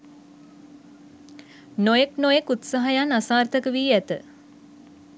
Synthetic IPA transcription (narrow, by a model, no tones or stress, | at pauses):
nojeknojekut̪saɦajanasaːrt̪əkəʋiːæt̪ə